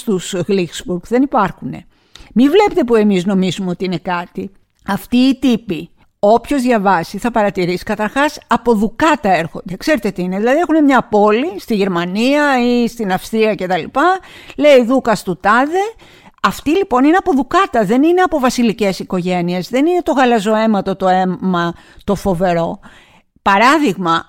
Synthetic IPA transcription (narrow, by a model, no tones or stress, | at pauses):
st̪usɣliksbuɾkðe̞nipɐɾxune̞̰ | mivle̞pet̪epue̞mizno̞mizumeo̞t̪iine̞kɐt̪i | ɐft̪iːt̪ipi | o̞pço̞zðʝɐvɐsiθɐpɐɾɐt̪iɾisi̥kɐt̪ɐɾxɐsɐpo̞ðukɐt̪ɐe̞ɾxo̞̰nd̪e̞kse̞ɾet̪e̞t̪iineðilɐðie̞xune̞mɲɐpo̞list̪iʝe̞ɾmɐniɐist̪inɐfst̪ɾiɐce̞t̪ɐlipɐle̞iðukɐst̪ut̪ɐðe | ɐft̪ilipo̞nine̞ɐpo̞ðukɐt̪ɐðe̞nine̞ɐpo̞vɐsilice̞siko̞ʝe̞niezðe̞nine̞t̪o̞ɣɐlɐzo̞e̞mɐt̪o̞t̪o̞emɐ | t̪o̞fo̞ve̞ɾo̞ | pɐɾɐðiɣmɐ